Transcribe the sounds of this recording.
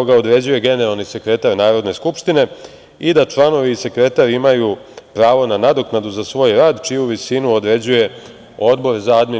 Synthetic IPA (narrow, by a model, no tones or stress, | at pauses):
oɡao̞d̪ɾe̞d͡ʑuje̞ɡe̞neɾalˠnise̞kɾe̞t̪aɾnaːɾo̞d̪ne̞skupʃt̪ine̞ | id̪at͡ʃlˠano̞ʋiːse̞kɾe̞t̪aɾimajupɾaːʋo̞nanad̪o̞knad̪uzasʋo̞jɾaːd̪t͡ʃijuʋisinuod̪ɾe̞d͡ʑuje̞ | o̞d̪bo̞ɾzaad̪me